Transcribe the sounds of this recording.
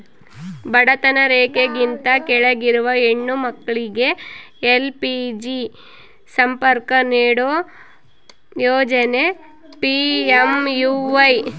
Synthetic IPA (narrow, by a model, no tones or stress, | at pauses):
bɐɽɐt̪ɐnɐɾeːkeɡint̪ɐkɛɭeɡiɾuʋɐeɳːumɐkːɐɭiɡe̞ | elpid͡ʒi | sɐmpɐɾkɐniːɽoː | joːd͡ʒɐne | piemjuːʋɐj